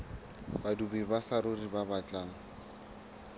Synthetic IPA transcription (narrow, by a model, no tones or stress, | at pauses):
badubibasaɾʊribabat͡ɬʼaːŋ̩